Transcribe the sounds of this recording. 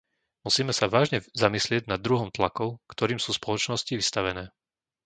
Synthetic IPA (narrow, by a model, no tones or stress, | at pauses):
musiːmɛsaʋaːʒɲɛzamislɪɛɟnad̪ːɾuɦɔmt̪lakɔʊkt̪ɔɾiːmsuːspɔlɔt͡ʃnɔsciʋist̪aʋɛnɛː